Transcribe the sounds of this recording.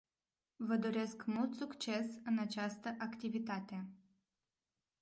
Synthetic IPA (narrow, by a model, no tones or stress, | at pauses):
vəd̪o̞ɾe̞skmult̪sukt͡ʃe̞sɨnat͡ʃast̪əʔakt̪ivit̪at̪e̞